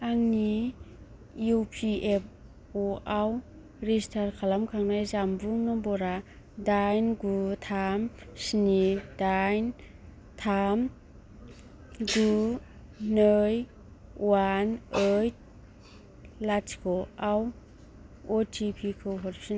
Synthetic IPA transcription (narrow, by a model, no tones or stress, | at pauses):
aŋni | jupʰiep̚ | ɔʔaw | ɾistʰaɾkʰalamkʰaŋnajzambuŋnɔbɔɾa | dajnɡutʰam | sinidajn | tʰam | ɡu | nɯj | wanəjt̚ | lat͡ʃkʰɔaw | ɔtʰipʰikʰɯwɦɔɾpin